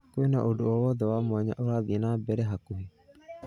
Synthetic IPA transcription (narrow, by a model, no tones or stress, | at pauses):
kwenaʔodoowɔðɛwamwaɲa̰ʔoɾaðienabɛɾɛɦakuɦe